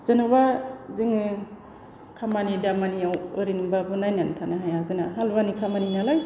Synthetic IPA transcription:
z̥ɯnɯbazɯŋɯ | kʰamanidamaniawɯɾinbabɯnajnantʰanaɦajazɯnaɦalβanikʰamaninalaj

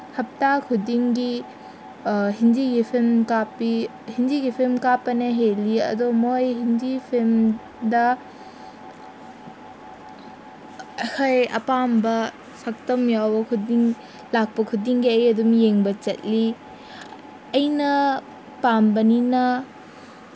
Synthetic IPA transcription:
hɐp̚takʰudiŋɡi | ɦind͡ʒiɡipʰemkapi | hind͡ʒiɡipʰemkapɐnɐɦeliɐ̰domojɦind͡ʒipʰem | dɐ | ɐkʰajɐ̰pambɐ | sɐk̚tɐmjawbɐkʰudiŋ | lak̚pɐkʰudiŋɡiɐjɐdumjeŋbɐt͡ʃɐ̰t̚li | ɐjnɐ | pambɐninɐ

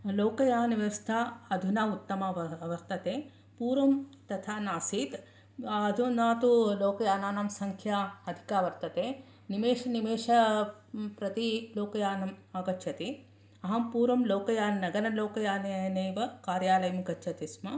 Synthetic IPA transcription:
loːkɐjaːnʋɐst̪ʰaːɐd̪ʱunaːut̪ːɐmaʋɐɾt̪ɐt̪eː | puːɾʋɐmt̪ɐt̪ʰaːnaːsiːt̪ | ɐd̪ʱunaːt̪uloːkɐjaːnaːnamsɐŋkʰjaɐd̪ʱi̥kaːʋɐɾt̪ɐt̪eː | nimeːʃɐnimeːʂɐ | pɾɐt̪iloːkɐjaːnɐmaːɡɐtːʃʰɐt̪i | ɐɦɐmpuːɾʋɐmloːkɐjaːnnɐɡɐnɐloːkɐjaːnneːʋɐkaːɾjaːlɐjɐmɡɐt͡ʃʰɐt̪ismɐ

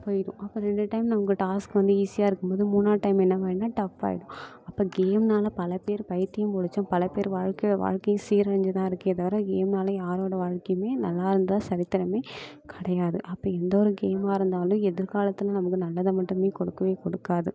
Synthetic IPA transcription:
poːjɽʊ̰̃ʔɐpːoɾɛɳɖɯʈɐɪmnɐmɐkːɯʈaːskɯʋɐnd̪ɯiːsɪjaːɪɾɯkːɯmboːðɯmuːnːaːʈɐɪmɛnːɐʋaːɪnːaːʈɐpːa̰ːjɪɽʊ̃ | ɐpːoːɡeːmnaːlɐpɐlɐpeːɾpɐjɪɾt̪ːɪjɐ̃mpɔɽɪt͡ʃːɐ̃ːpɐlɐpeːɾʋaːɻkɐjɽɐʋa̰ːɻkɐjʊ̃siːɾɐɾɐɲd͡ʒɯt̪ãːɪɾɯkːɯɐðaːʋɐɾɐ̃ɡeːmnaːlɐjaːɾoːɽɐʋaːɻkɐjmeːnɐlːaːɪɾɯnd̪ɐðãsɐɾɪt̪ːɪɾɐmeː | kʰɪɽɐjaːðɯʔɐpːɐːɛnd̪ɐɔɾɯɡeːmaːɪɾɯnd̪aːlʊ̃ɛðɪɾkaːlɐt̪ːɯlɐ̃nɐmɐkːɯnɐlːɐðɐmɐʈːɯmeːkɔɽɯkːɐʋeːkɔɽɯkːaːðɯ

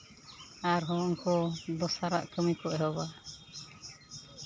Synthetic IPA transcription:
aɾɦɔ̃ɔŋkɔd̪ɔsaɾa̰ʔkəmikɔʔɛɦɔba

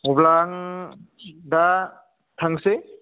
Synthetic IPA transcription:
ublaŋ | da | tʰaŋse

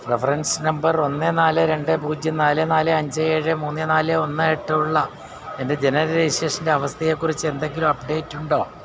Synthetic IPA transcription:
prefɐrɐnsnɐmbɐro̞nːenaːlɨɾe̞ɳɖɨbuːd͡ʑjɐnaːlɨnaːlɨɐɲd͡ʑɨeːɻɨmuːnːenaːlɨo̞nːɨeʈːɐuɭːɐ | ende̞d͡ʑe̞nɐɾɐiɕeːʂindeɐʋɐst̪ʰɐjeːkːurit͡ɕːɨend̪eŋɡilumɐpɖe̞ːtːuɳɖo̞ː

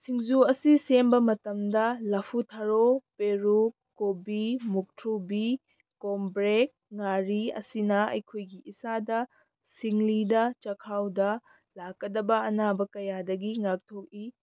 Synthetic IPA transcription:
sʰiŋzuɐsisembɐmɐtɐmdɐlɐpʰutʰaɾopeɾukːobimuk̚tʰɾubi | kombɾek̚ŋaɾiɐ̰sinɐɐ̰jkʰojɡiisadɐ | siŋlidɐt͡ʃɐkʰawdɐ | lakːɐdɐbɐɐnabɐkɐjadɐɡiŋak̚tʰok̚i

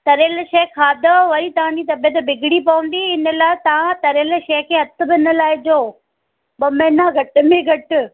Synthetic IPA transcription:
t̪ɐɾelʃɐkʰaːd̪ɐʋɐɾit̪ɐʋ̤ãd͡ʑit̪ɐbijət̪̬bʱɪɡɪɽipɐʋə̃nd̪iɪnə̆laːɪt̪ɐʋãt̪ɐɾeːl̆ʃɐːkʰeːɦɐt̪ʊ̆bɪɪnə̆laːɪd͡ʑoː | bɐmeːnaɡʱɐʈʊ̆mẽɡʱɐʈʊ̆

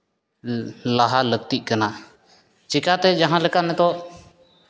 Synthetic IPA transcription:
laɦalək̚t̪iʔ̚kana | t͡ʃikat̪ɛd͡ʒaɦãlɛkanɛd̪ɔʔ

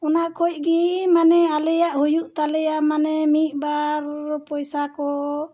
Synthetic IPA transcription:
ɔnaʔkʰɔj̚ˀɡimanɛalɛjaʔhujuʔt̪alɛjamanɛmit̪̚ˀbaɾpɔjsakɔ

